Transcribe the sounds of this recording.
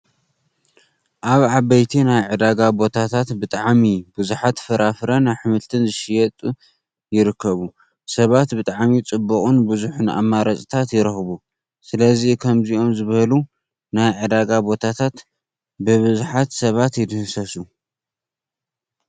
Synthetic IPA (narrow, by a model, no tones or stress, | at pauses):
ʔaβʕabɐjt̪ʰinajʕɨd̪aɡabo̞t̪ʰat̪ʰat̪bɨt̪ʼaʕmibɨzuħat̪fɨɾafɾɐnajħɨmɨlt̪ʰɨnzɨʃɪjɛt̪ʼu | jɪɾɨkʰːɐβu | sɐβat̪bɨt̪ʼaʕmit͡sʼɨbːɐkʼunbɨzuħuna̰mːaɾɐt͡sʼit̪ʰat̪jɪɾɐxβu | sɨlɐzikʰɐmziʔo̞mzɨβɐlu | najʕɨd̪aɡabo̞t̪ʰat̪ʰat̪ | bɨβɨzuħat̪sɐβat̪jɪd̪ɨhsɐsu